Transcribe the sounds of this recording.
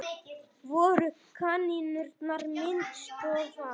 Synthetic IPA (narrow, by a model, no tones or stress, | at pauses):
vɔɾʏkʰaninʏɾt̪naɾmɪnt̪st̪ɔθa